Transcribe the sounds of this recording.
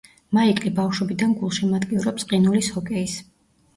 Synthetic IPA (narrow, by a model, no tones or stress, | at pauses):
maikʼlibafʃɔbid̪anɡulˠʃimad̪ɡʼiuɾɔpsʼqʼinulishɔkʼɛis